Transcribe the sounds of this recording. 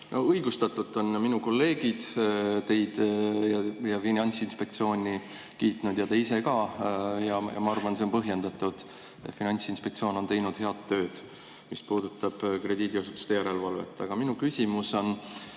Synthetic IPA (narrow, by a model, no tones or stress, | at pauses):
nʔoɤjɡust̪ɑt̪ːˑut̪ːˑo̞nminuko̞lːe̞ːɡ̥id̪̥t̪e̞jd̪̥jɑjɑfinɑnʲt̪sinspe̞k̚t̪sio̞ːnʲi | kiːt̪ˑnud̪̥jɑt̪eis̬e̞kɑjɑjɑ̰mɑɑrvɑnseo̞npɤɦje̞nd̪̥ɑt̪ːˑud̪̥ | ḛt̪finɑnʲsinspek̚tsioːno̞nt̪e̞jnud̪̥he̞ɑt̪ːø̞ːd̪̥ | mispuːd̪̥ut̪ːˑɑb̥kre̞d̪iːd̪iosu̥t̪ːˑu̥st̪ejæɾe̞lvɑlve̞̰t̪ːˑɑɡ̥ɑminukysʲimuso̞n